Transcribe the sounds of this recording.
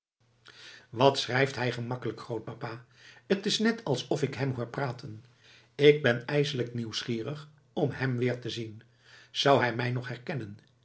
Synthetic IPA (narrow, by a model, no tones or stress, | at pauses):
ʋɑtsrɛjftɦɛjχəmɑkələkχrowt̚papaː | ətɪsnɛtɑlˠsɔfɪkɦɛmɦʊːɹpraːtʰən | ɪɡ̚bɛnɛjzələkniwsχiːrəχ | ɔmɦɛmʋɪːɹtəzin | z̥ʌwɦɛjmɛjnɔχɦɛɹkɛnən